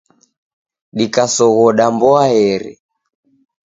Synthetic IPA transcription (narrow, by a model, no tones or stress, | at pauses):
ɗikasɔɣɔɗambɔaɛɾɛ̰